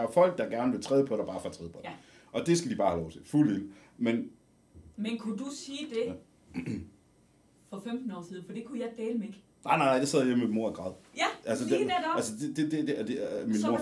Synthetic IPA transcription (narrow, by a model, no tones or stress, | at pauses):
ɐfɒ̽l̰ɡ̥̚d̥ɑ̈ɡ̥æɐnəʋe̝t͡sʰʁɛːð̞ˠpʰɒ̽ɾ̥ɑb̥ɑ̈ːfɑt͡sʰʁɛðˠpʰɒ̽d | ʔɒ̽d̥e̝sɡ̥æd̥ibɑ̈ːhælɒʊt͡sʰe̝fulel̰ | men | menkʰud̥usiːd̥e̝ | fɒ̽femd̥n̩ɒ̰ːsiːðˠn̩fɒd̥e̝kʰujɑ̈ɪd̥eːləmeɡ̥ | nɑ̈ɪnɑ̈ɪnaɪd̥ɑseð̞̰ˠjeməmemo̝ɐɡ̥ʁɑð̞̰ˠæælsədeneælsəded̥ed̥edeæd̥eminmo̝ɐ̰